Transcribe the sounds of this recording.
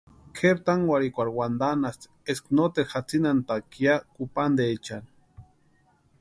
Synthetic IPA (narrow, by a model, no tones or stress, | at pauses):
kʰeɾt̪aŋwaɾikʷaɾwand̪anast̪ | esknot̪exat͡sinant̪akjakupand̪eːt͡ʃan